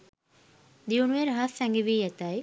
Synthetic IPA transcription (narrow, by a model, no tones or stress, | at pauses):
d̪iunuʋeɾɦasɛŋɡiʋiːjɛt̪aj